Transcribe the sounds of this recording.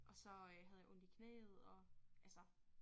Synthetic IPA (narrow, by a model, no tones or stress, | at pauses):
ʔɒ̽sɒ̽øɦæð̞̩ˠjɪɔ̽n̰d̥ikʰnḛːð̞̩ˠɒ̽ʔælsɒ